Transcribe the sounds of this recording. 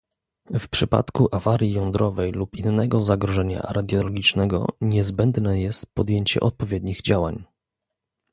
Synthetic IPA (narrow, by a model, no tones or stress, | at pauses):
fpʂɘpa̰t̪kuʔavaɾʲjijɔnd̪ɾɔvɛjlupinːɛɡɔzaɡɾɔʐɛɲa̰ɾad̪ʲjɔlɔɡʲit͡ʂnɛɡɔ̰ɲɛzbɛnd̪nɛjɛst̪pɔd̪ʲjeɲt͡ɕɛ̰ʔɔt̪̚pɔvʲjɛd̪ɲiɣd͡ʑawa̰ɲ